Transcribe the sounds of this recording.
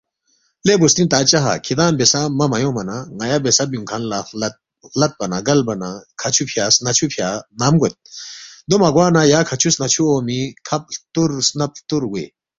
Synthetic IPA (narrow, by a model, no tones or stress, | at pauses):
lebost̪int̪aːt͡ʃɐɦa̰kʰid̪aːmbesamɐmɐjõːmɐnaŋɐjabesɐbjuŋkʰanlalɐt̪̚ | lɐt̪̚bɐnaɡɐlbɐnakʰɐt͡ɕʰupʰjaːsnɐt͡ɕʰupʰjaːnamɡot̪̚d̪omɐɡwaːnajaːkʰɐt͡ɕʰusnɐt͡ɕʰuomikʰɐp̚t̪uɾsnɐp̚t̪uɾɡuḛ